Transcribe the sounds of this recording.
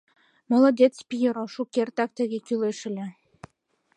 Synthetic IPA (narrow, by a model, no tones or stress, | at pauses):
mɤ̆lɤ̆d̪et̪t͡spʲijɤɾoʃukʲert̪ɑk̚t̪ɘ̆ɣʲekʲyleʃɘ̆lʲĕ